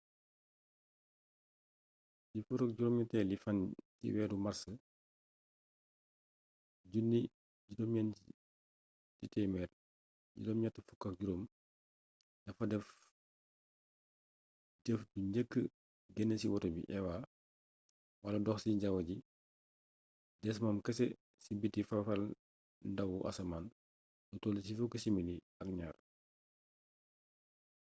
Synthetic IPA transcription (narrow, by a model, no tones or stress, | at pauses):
difukɐk̚ɟuɾɔːmjutɛlifɐntḭwɛdumɐɾsə | ɟunːi | ɟidɔmɲɛni | citɛmɛr | ɟḭdɔːmɲatːəfukːɐk̚ɟuɾom | d̥ɐfɐdɛf | dɛfduɲɟəkːə | ɡɛnːəsiwɔtɔbḭʔɛwa | wɐlɐdɔxsiɟawɐɟi | dɛs̬mamkɐsɛ | sibitːifafɐl | dɐwuʔɐ̰sɐman | dɔtɔːlisifukːəsimini | ɐk̚ɲaːr